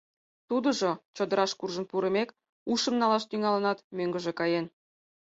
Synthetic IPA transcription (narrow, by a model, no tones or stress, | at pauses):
t̪ud̪ə̆ʒot͡ɕod̪əɾɑʃkurʒənpuɾə̆mek | uʃə̆mnɑlɑʃt̪yŋɑlənɑt̪møŋɡə̆ʒĕkɑjen